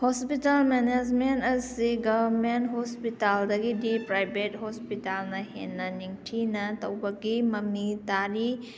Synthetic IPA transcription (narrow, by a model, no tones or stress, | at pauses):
hospitalmened͡ʒmentɐsiɡɐbɐɾmentɦospitaldɐɡidipɾajbet̚hospitalnɐhḛnːɐniŋtʰinɐtɐwbɐɡimɐmitaɾi